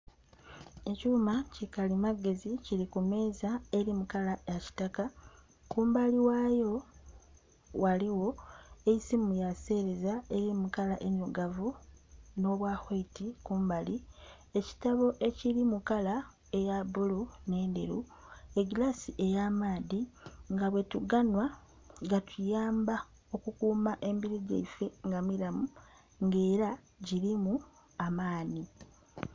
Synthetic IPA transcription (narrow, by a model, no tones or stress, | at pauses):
e̞cuːmacikalimaɡe̞ziciɾikume̞ːzae̞ɾimukalajaci̥taka | kuːmbaliwaːjo̞ | waliwo̞eisimujase̞ɾe̞zae̞ɾimukalaʔeɲoɡavuno̞βwaːxweitikuːmbali | e̞ci̥taβo̞ʔe̞ciɾimukala | e̞jabulune̞ːnde̞̰ɾu | e̞ɡilasiʔe̞jaːmaːðiŋɡaβwe̞tuɡanwa | ŋɡatʰujaːmba | o̞kukuːmaʔe̞mbiɾiɟḛife̞ŋɡamilamu | ŋɡe̞ːɾa | ɟiɾimu | amaːni